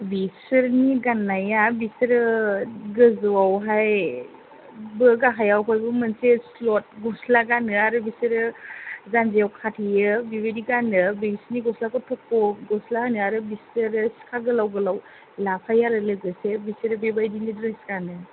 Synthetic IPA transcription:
bisɯɾniɡanːajabisɾɯɡɯzuwawɦaj | bɯɡaɦajawkʰɔjbɯmənseslɔt̚ɡɔslaɡanɯaɾɯbisɯɾɯzanzejawkʰatʰijɯbibediɡanɯbisɾniɡɔslakʰɔtʰɔkːɔɡɔslahanɯaɾɯbisɯɾɯsi̥kʰaɡɯlawɡɯlaw | lapʰajaɾɯlɯɡɯsebisɯɾɯbebajdinidɾesɡanɯ

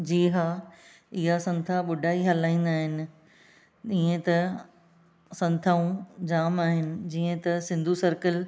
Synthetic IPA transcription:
d͡ʑiːɦa | ɪɦasɐ̃nt̪ʰaɓʊɖʱaːiɦɐlaːĩːn̆d̪aːɦɪnɪ̆ | ĩːə̃t̪ɐ | sɐ̃nt̪ʰaːũd͡ʑaːmaːɦɪnɪ̆d͡ʑiːə̃t̪ɐsɪ̃nd̪ʱusɐɾkəl

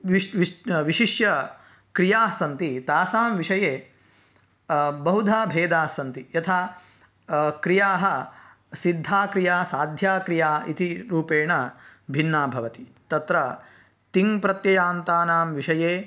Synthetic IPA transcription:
ʋiʋiʃiʂjɐ | kɾijaːsɐnt̪it̪aːsaːmʋiʂɐjeː | bɐɦud̪ʱaːbʱeːd̪aːsɐnt̪ijɐt̪ʰaː | kɾijaːɦɐ̆ | sid̪ʱːaːkɾijaːsaːd̪ʱjaːkɾijaːḭt̪iɾuːpeːɳɐbʱinːaːbʱɐʋɐt̪i̥t̪ɐt̪ɾɐ | t̪iŋpɾɐt̪jɐjaːnt̪aːnaːmʋiʂɐjeː

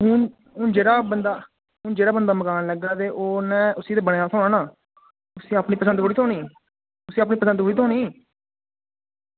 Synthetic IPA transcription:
ɦʊn | ɦʊnd͡ʒeːɾaːbənd̪aː | ɦʊnd͡ʒeːɽaːbənd̪aːməkaːnləɡaːt̪eːʔoːnɛ̃ːʊsiːt̪eːbəɽ̃eːaːsʰoːnaːnaː | ʊsiːaːpɳiːpəsənd̪oːɽiːt̪ʰoːniː | ʊsiːaːpniːpəsə̃nd̪ɦoːɽiːt̪ʰoːniː

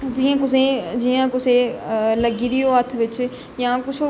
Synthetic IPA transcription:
d͡ʒiãkʊsẽd͡ʒiːjãkʊseləɡiːd̪ijoːɦət̪ʰʋɪt͡ʃ | jãːkʊt͡ʃʰo

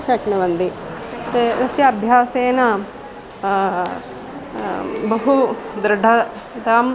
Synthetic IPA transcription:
ʃɐknɐʋɐnd̪it̪eɾɐsjɐɐbʱjaːseːnɐ | bɐɦud̪ɾɐɖʱɐ | t̪aːm

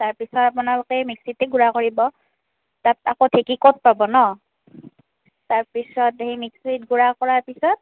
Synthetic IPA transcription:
taɹpisɔtapunalokɛmiksiteɡuɹakoɹibɔ | tatakotʰekikot̚pabɔnɔ | taɹpisɔtemiksitɡuɹakɔɹaɹpisɔt̚

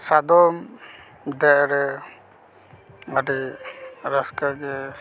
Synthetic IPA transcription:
sad̪ɔm | d̪ɛʔɾɛ | adi | ɾaskaɡɛ

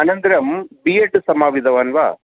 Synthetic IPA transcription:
ɐnɐnd̪ɐɾɐmbijeʈsɐmaːʋid̪ʱɐʋaːnʋa̰ː

